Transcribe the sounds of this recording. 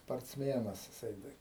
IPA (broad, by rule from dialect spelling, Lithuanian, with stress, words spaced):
spɐrʲt͡sʲˈmʲiɛnɐs jɪˈsɐɪ ˈtɐɪ